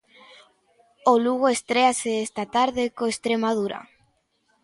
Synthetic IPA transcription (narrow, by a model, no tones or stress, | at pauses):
oluɣ̞oest̪ɾeaseest̪at̪aɾðekoest̪ɾemaðuɾa̰